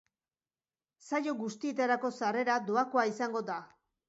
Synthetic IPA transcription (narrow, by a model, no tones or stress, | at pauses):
sajo̞ɡust̪iet̪eɾako̞sare̞ɾad̪oakoaisaŋɡo̞d̪a